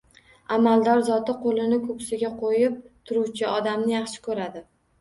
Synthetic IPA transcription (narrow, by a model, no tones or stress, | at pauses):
amald̪ɒɾzɒt̪ɪqʰolɪnɪkʰɵkʲsɪɡʲaqʰojɪp̚t̪ʰʊɾuwt͡ʃʰɪɒd̪amnɪjɑχʃɪ̥kʰɵɾad̪ɪ